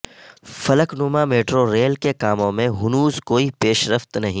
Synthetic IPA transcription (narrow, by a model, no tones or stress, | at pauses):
fɐləknʊmameːʈɾoɾeːlkekaːmõmẽɦʊnuːzkoːipeːʃɾəft̪nɐɦĩ